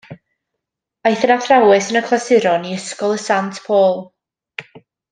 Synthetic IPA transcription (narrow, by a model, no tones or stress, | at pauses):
ajθənaθrawɛsənəkʰl̥ˠasɪɾɔniəskɔlˠəsantʰpʰoːlˠ